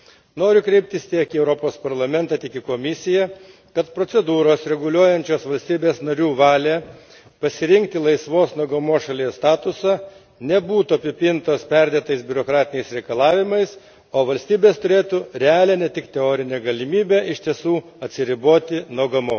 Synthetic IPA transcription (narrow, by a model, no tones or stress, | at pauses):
noːɾʲʊkɾʲɛɪp̚ʲt̪ʲɪst̪ʲiɛkiɛʊɾopoːspɐɾlˠɐmʲɛnt̪ɐt̪ʲɪkʲɪkoːmʲɪsʲɪjɛ | kɐt̪pɾotsʲɛd̪uːɾoːsɾʲɛɡʊlʲuɔjɛnʲt͡ʃʲoːsʋɐlʲsʲt̪ʲiːbʲeːsnɐɾʲuːʋɑːlʲeː | pɐsʲɪɾʲɪŋk̚t̪ʲɪlˠɐɪsʋoːsnoɔɡɐmoːsʃɐlʲiɛst̪ɑːt̪ʊsɑ | nʲɛbuːt̪uɐpʲɪpʲɪnt̪oːspʲɛɾʲd̪ʲeːt̪ɐɪsbʲʊɾokɾɑːt̪ʲɪnʲɛɪsɾʲɛɪkɐlˠɑːʋʲɪmɐɪs | oːʋɐlʲsʲt̪ʲiːbʲeːst̪ʊɾʲeːt̪uɾʲɛɑːlʲɛːnʲɛt̪ʲɪkt̪ʲɛoːɾʲɪnʲɛːɡɐlʲɪmʲiːbʲeʔɪʃʲt̪ʲiɛsuː | ɐt̪ʲsʲɪɾʲɪboːt̪ʲɪnoɔɡɐmoːs